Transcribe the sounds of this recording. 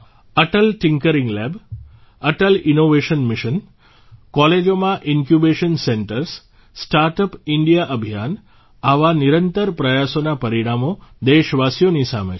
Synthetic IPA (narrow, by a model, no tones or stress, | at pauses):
əʈəlʈɪŋkəɾiŋɡlɛb | əʈəlinoʋeʃənmiʃən | kɔled͡ʒomãʔinkjubeʃənseɳʈəɾs | sʈaɾʈəpiɳɖijaʔəbʱijan | aʋaniɾənt̪əɾpɾəjasonapəɾiɽ̃amod̪eʃʋasjonisa̰mḛ